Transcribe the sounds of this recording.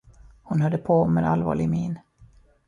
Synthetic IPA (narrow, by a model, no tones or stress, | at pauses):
hʊnhœɖ̪əpʰɔɔmːḛːd̪alvɑ̰ːɭɪɡmiːn